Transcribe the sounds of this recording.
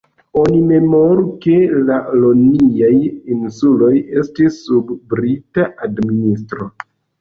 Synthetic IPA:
o̞nime̞moɾuke̞laloniajinsulo̞je̞stisːubːɾitaʔadminis̬tɾo̞

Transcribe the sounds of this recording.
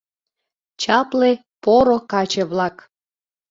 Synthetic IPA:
t͡ɕɑple | poɾokɑt͡ɕeβlɑk

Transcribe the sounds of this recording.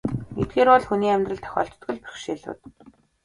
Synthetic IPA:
ɡet̪̚ɡeːɾɔɮxuniːæmʲt̪rə̆ɮt̪ʰœ̥xʲɔ̰ːɬt̪ːɡɵ̆ɮpɵ̥xʃeːɮʊ̰ːt̪

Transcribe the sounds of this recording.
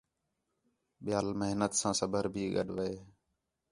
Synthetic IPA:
ɓɪjaːlməɦnət̪sãːsəbʱəɾbʱiːɡə̰ɗʋəeː

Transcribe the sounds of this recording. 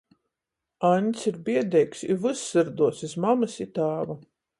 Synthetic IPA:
anʲt̪sʲiɾbiɛd̪ɛjksivɨsːɨɾd̪uɔsizmamɨsit̪aːva

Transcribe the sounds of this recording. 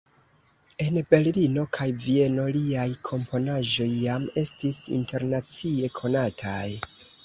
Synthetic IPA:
e̞nbe̞ɾlino̞kʰajvie̞no̞liajkʰo̞mpo̞naʒo̞jːame̞stisḭnte̞ɾnat͡sie̞kʰo̞natʰaj

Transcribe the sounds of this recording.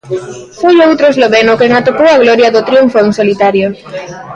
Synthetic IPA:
fojowt̪ɾoezloβenʊkeŋat̪okowaɣloɾjaðot̪ɾiuɱfoŋsolit̪aɾjo

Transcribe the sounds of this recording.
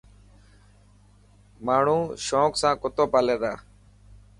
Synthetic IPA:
maːɳ̤ũːʃõːksãːkʊt̪oːpaːleːd̪aː

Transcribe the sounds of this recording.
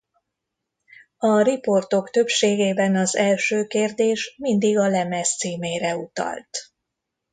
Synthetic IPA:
ɒripo̞rt̪o̞kt̪ø̞pʃeːɡeːbɛnɒzɛlʃøːkeːrd̪eːʃmind̪iɡɒlɛmɛst̪siːmeːɾɛut̪ɒ̰lt̪

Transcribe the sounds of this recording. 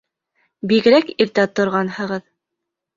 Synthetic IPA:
biɡɘ̆ɾækiɾt̪æt̪ŏɾʁɑnhɤ̆ʁɤð

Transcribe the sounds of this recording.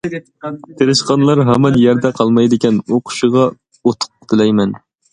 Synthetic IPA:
t̪ʰeɾɪʃqɑnlˠɑɾɦɛmɑnjɛɾd̪ɛqʰɑlˠmɑjd̪ɪkʲɛnoqʰʊ̥ʃɨʁɑ | ot̪ʰʊ̥q̚t̪ʰɨlɛjmɛn

